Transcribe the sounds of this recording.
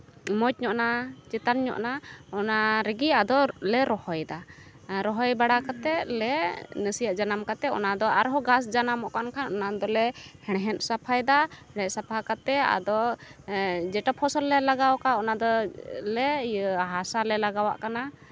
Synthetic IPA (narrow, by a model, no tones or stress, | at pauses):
mɔt̚ɲɔʔnat͡ʃɛt̪anɲɔ̰ʔnaɔnaɾɛɡiad̪ɔlɛɾɔhɔjd̪a | ɾɔɦɔjbaɽakat̪ɛlɛnəsijaʔd͡ʒanamkat̪ɛɔ̰nad̪ɔaɾɦɔɡasd͡ʒanamɔʔkankʰanɔnad̪ɔlɛhɛɽɦɛnsapʰajd̪a | ɽɛʔsapʰakat̪ɛa̰d̪ɔ | d͡ʒɛʈapʰɔsɔlːɛlaɡawkaɔnad̪ɔlɛɦasalɛlaɡawa̰ʔkana